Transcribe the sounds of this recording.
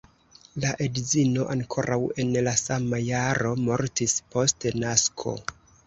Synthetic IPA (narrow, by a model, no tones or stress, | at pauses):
laʔedzino̞ʔaŋkʰo̞ɾʔawe̞nlasamajaɾo̞mo̞ɾtispo̞stnaskʰo̞̰